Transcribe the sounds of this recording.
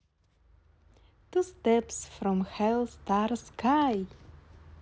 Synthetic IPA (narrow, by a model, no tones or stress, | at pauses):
t̪ustɛpsfɹɔ̃mhɛlˠstaɹskʰaj